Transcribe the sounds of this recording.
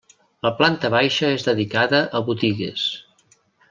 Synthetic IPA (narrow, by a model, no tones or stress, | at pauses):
ləplant̪əβajʃəezðəðikaðəʔəβut̪iɣḛs